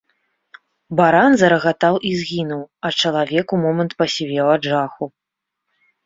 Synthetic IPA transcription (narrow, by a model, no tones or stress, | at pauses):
baɾanzɐɾɐɣat̪awʔizɣʲinuwɐt͡ʂɐlˠavʲɛkumɔmɐnt̪pɐsʲivʲɛwaʐaxu